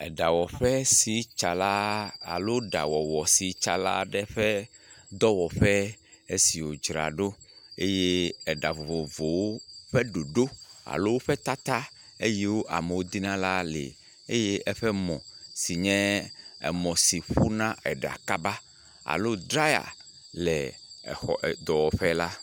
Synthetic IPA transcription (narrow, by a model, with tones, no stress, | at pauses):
ɛ˨ɖa˨wɔ˨ɸɛ˦si˨t͡ʃa˨la˦a̰˨lo˦ɖa̰˨wɔ˨wɔ˨si˨t͡ʃa̰˨la̰˦ɖɛ˦ɸɛ˦ | d̪ɔ˦wɔ˨ɸɛ˦ | e˦si˨wo˨d͡ʒɾa̰˨ɖo˦ | e˦je˦ɛ˨ɖa˨vo˨vo˨vo˨wo˦ɸɛ˦ɖo˨ɖo˦a̰˨lo˦wo˦ɸɛ˦t̪a˦t̪a˦ | e˦je˦wo˦ʔa̰˨mɛ˨wo˦d̪i˦nã˦la˦lḛ˨ | e˦je˦ʔɛ˦ɸɛ˦mɔ̃˨si˨ɲɛ̃˦ɛ̰˨mɔ̃˨si˨ɸu˦nã˦ɛ˨ɖa̰˨ka˦ba˦ | a̰˨lo˦dɾa˦ja̰˨ | lɛ˨ɛ̰˨xɔ˨ʔd̪ɔ˨wɔ˨ɸɛ˦la˦